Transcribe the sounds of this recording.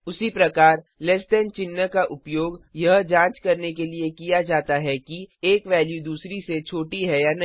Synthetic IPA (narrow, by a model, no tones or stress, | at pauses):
ʊsipɾɐkaːɾ | lɛsʈɛːnt͡ʃɪnːəkaʔʊpjoːɡjɐɦd͡ʒãːt͡ʃkɐɾnekeliekijad͡ʒaːt̪aɦɛkieːkʋɛːljud̪uːsɾiset͡ʃʰoːʈiɦɛjanɐ